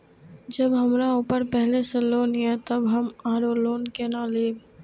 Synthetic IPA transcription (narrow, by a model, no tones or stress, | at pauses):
d͡ʒəbɦəmɾauːpəɾpɛɦleseloːnẽt̪əbɦəmaːɾoloːnkenãːleːb